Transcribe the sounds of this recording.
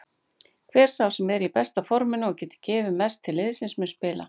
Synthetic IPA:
kʰvɛːɾ̥sawsɛmɛɾɪipɛst̪afɔɾmɪnʏɔɣcɛːt̪ɪ̥cɛːvɪmɛst̪ʰːɪlːɪðsɪnsmʏnspɪːla̰

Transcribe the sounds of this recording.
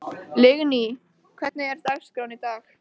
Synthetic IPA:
lɪɣni | kʰv̥ɛ̥t̪nɪɛɾt̪aɣskɾawnit̪aːx

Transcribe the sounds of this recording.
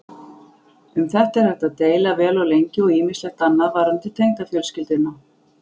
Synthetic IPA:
ʏmθɛht̪ɛɾ̥θɛht̪aðt̪eːjlavɛːlaɣlejɲcɪɔɣiːmislɛxt̪anːaðvaːɾant̪ɪt̪ʰejŋt̪afjœlscɪlt̪ʏnːa

